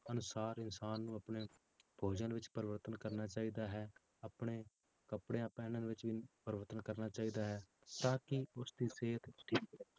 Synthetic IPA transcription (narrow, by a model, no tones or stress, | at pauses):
ənʊsaːɾɪnsaːnːũːəpɳeː | b̥ʱoːd͡ʒənʋɪt͡ʃpəɾʋəɾt̪ənkəɾnaːt͡ʃaːiːd̪aːɦɛː | aːpɳeː | kəpɽeːãːpɛːnənʋɪt͡ʃʋiːpəɾʋəɾt̪ənkəɾnaːt͡ʃaːiːd̪aːɦɛːt̪ãːkɪʊsd̪iːseːt̪t̪iː